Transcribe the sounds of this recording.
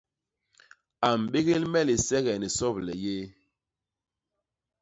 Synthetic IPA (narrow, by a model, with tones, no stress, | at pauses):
a˨m̩˨ɓe˦ɣe˦lmɛ˦˨li˨sɛ˦ɣɛ˨ni˨sɔ˦˨plɛ˨je˦